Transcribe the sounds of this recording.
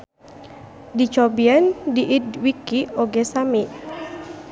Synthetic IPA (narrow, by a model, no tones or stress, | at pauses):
dit͡ʃɔbiandiʔidwikioɡɛsamiʔ